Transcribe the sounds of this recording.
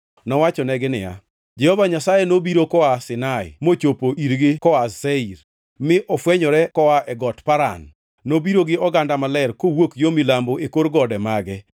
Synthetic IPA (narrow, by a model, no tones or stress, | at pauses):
nɔwat͡ʃɔnɛɡɪnɪ̰ja̰ | d͡ʒɛhɔvaɲasajɛnobiɾokɔasɪnaɪ̰mot͡ʃopoʔiɾɡɪkɔaseiɾ | mɪʔɔfwɛɲɔɾɛkɔwaʔɛɡɔtpaɾa̰nː | obiɾoɡɪɔɡandamalɛɾkowokjomilamboʔekoɾɡɔdɛmaɡɛ